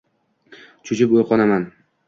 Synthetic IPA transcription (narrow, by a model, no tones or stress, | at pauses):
t͡ʃʰʊt͡ʃʰɪpojqʰɒnaman